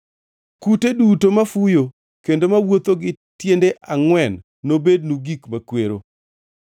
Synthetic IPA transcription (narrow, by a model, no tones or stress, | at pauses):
kutedutomafujo | kendomawot̪oɡɪ | tjendeʔʔaŋwɛnː | obed̚nuɡikmakweɾo̰